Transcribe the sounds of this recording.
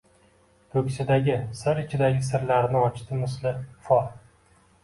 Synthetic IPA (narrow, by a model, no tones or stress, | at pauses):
t̪ʰɵkʲsɪd̪aɡʲɪsɪɾɪt͡ʃʰɪd̪aɡʲɪsɪɾlaɾnɪɒt͡ʃt̪ʰɪmɪslɪfɒ